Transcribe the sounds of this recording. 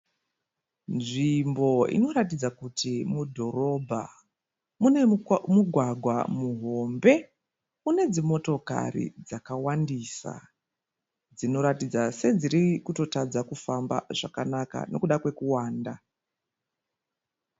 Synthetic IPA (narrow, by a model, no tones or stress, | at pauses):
nʐimbo̞ḭno̞ɾatid͡zakutimudʱo̞ro̞bʱa̰ | muemuɡʱwaɡʱwamuɦo̞mbe̞ | une̞d͡zimo̞to̞ka̰rḭd͡zakawandisa̰ | d͡zino̞ɾatid͡zase̞d͡ziɾikuto̞tad͡zakufamba̰ʐ̥akanaka̰no̞kuɗakwe̞kuwaːnda